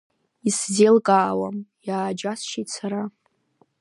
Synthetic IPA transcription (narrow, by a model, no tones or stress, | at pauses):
iszelkʼaːwa̰mjaːd͡ʒasʃit͡sʰaɾa